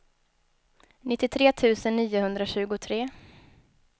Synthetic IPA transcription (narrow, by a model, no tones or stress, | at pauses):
nɪt̪ːɪt̪ʰɾeːt̪ʰʉ̟ːsənːiːʊhɵnd̪ɾaɕʉ̟ːɡʊt̪ʰɾeː